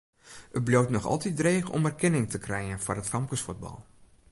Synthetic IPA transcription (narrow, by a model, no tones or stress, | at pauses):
ət̚blowtnɔxɑ̰lˠtidreːxɔ̰mɛrkɛnɪŋtəkrɛjənfɔrətfɑmkəsfud̚bɑ̰lˠ